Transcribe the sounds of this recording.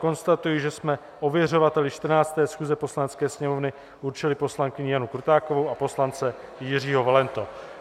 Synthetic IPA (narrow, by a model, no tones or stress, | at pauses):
ko̞nst̪at̪ujɪʒɛsmɛ | ʔo̞vjɛr̝o̞vat̪ɛlɪʃt̪r̩naːt͡st̪ɛːsxuːzɛpo̞slanɛt͡skɛːsɲɛmo̞vnɪ | ʔuɾt͡ʃɪlɪpo̞slaŋkɪɲɪjanukɾut̪aːkovowapo̞slant͡sɛ | jɪr̝iːɦo̞valɛnt̪o̞